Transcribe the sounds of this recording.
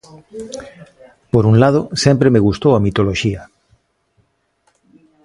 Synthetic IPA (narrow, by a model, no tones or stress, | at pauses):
poɾuŋlað̞osɛmpɾemeɣust̪owɐmit̪oloʃiɐ